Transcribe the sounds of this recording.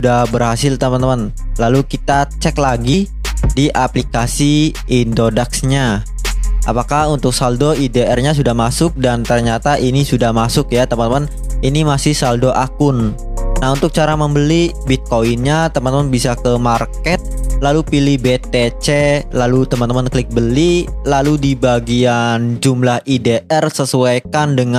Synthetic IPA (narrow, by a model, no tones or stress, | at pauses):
sudahbərhasɪlt̪əmənt̪əmən | lalukit̪at͡ʃɛklaɡi | diʔaplikasi | indodaksɲa | ʔa̰pakahunt̪ʊk̚saldoideɛrɲas̬udahmasʊk̚dant̪ərɲat̪aʔinisudahmasʊkjat̪əmənt̪əmən | inimasɪhsaldoʔakʊn | naɦunt̪ʊk̚t͡ʃaɾaməmbəli | bit̪̚koinɲat̪əmant̪əmanbisakəmarkɛt̪̚lalupilihbet̪et͡ʃelalut̪əmant̪əmanklɪk̚bəlilaludibaɡiand͡ʒumlahideʔɛrsəsuajkandəŋa